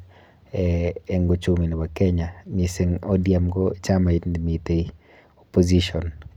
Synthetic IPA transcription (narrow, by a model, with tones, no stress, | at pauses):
ɛɛ˦ŋɡo˦t͡ʃu˦mi˨ni˨wa˨kɛ˦ɲa˨mise˦ŋɔ˦dja˨mɡɔt͡ʃa˦ma˨i˦ndmi˨te˨i | opo˦zi˦ʃɔ˨n